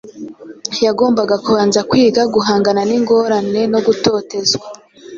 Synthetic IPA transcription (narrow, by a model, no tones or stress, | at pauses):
jaɡo̞ːmbaɡakuβaːnzakwiːɡaɡuɦaːŋɡananiŋɡo̞ːɾane̞no̞ɡuto̞ːte̞zɡwa